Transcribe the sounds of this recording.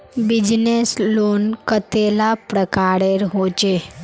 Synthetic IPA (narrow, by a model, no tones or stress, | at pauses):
bɪd͡ʒnesloːnkət̪elapɾəkaːɾeɾɦoːt͡ʃe